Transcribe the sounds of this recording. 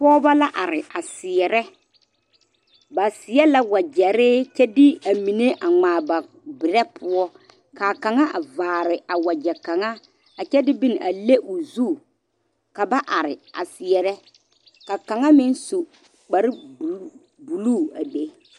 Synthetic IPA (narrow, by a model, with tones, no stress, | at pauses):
pɔː˦ba˦la˦ʔa˨ɾɪ˨a˨sɪ˨ɛ˨ɾɛ˦ | ba˨sɪ˨˦ɛ˦la˦wa˨d͡ʒɛ˨ɾɪ˦t͡ʃɛ˦dɪ˦a˨mi˨ne˦ʔa˨ŋ͡maː˨ba˨ | bɪ˨ɾɛ˦pʰʊ˦ɔ˦ | ka˨ka˨ŋa˦ʔa˨vaː˨ɾɪ˨a˨wa˨d͡ʒɛ˨ka˨ŋa˦ | a˨t͡ʃɛ˦dɪ˦bi˦n˨ʔa˨le˦ʔʊ˨zu˦˨ | ka˨ba˦ʔa˨ɾɪ˨a̰˨sɪ˨ɛ˨ɾɛ˦ | ka˨ka˨ŋa˦mɪ˦n˦su˨ | k͡pa˨ɾɪ˦˨ | bu˨luː˦˨a˨de˦